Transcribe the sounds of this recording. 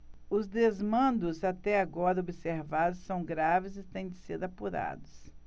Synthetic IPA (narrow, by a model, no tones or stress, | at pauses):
ʊzd̪ezmɐ̃nd̪ʊzat̪ɛaɡɔɾɐobɪseɾvad̪ʊsːɐ̃w̃ɡɾavɪzɪt̪ẽj̃d͡ʒɪseɾapuɾa̰d̪ʊs